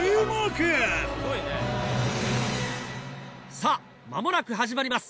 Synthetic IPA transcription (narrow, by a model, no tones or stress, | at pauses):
makesɡoine | sa | ma̰mo̞nakɯ̟ɦaʑimaɾʲimasɨ̥